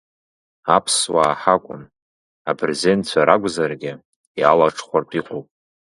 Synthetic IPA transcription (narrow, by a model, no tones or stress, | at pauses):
apʰswaːħakʷʼʊ̰n | apʰrezent͡ʃʷʰaɾaɡʷʼzarɡʲɪ | jalaʈ͡ʂʰʼχʷarpʰʼiqʷʰʼowpʼ